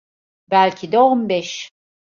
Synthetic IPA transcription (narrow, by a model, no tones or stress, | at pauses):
bælʲcʰid̪ɛombɛʃ